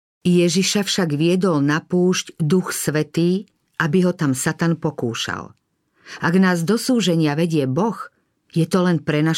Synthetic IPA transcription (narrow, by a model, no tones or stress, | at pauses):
jɛʒiʃafʃaɡʋɪɛd̪ɔlnapuːʃɟd̪uxsʋɛt̪iː | ʔabiɦɔt̪amsat̪anpɔkṵːʃa̰l | ʔaɡnaːzd̪ɔsuːʒɛɲɪaʋɛɟɪɛbɔx | jɛt̪ɔlɛnpɾɛna